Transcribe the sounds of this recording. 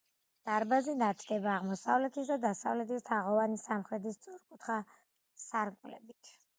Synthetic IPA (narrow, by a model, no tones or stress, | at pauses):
d̪̥aɾbazinat̪ʰɡɛbaːʁmɔsavlɛt̪ʰisd̪ad̪asavlɛt̪ʰist̪ʰaʁɔvanisamχɾɛt̪ʰist̪sʼuɾkʼut̪ʰχa | saɾkʼlɛ̰bit̪ʰ